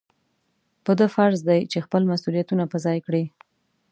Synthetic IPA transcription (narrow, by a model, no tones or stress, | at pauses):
pəd̪əfaɾzd̪ajt͡ʃexpəlmasulijat̪unapəzɑjkɽi